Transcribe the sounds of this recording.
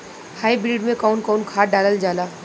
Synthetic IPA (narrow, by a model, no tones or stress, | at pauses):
haːibɾiːɖmẽkaʊnkaʊnkʰaːɖaːləld͡ʒaːlaː